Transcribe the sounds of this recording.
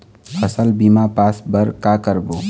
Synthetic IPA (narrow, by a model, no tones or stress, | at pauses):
əsəlbiːmapaːsbəɾkaːkəɾboː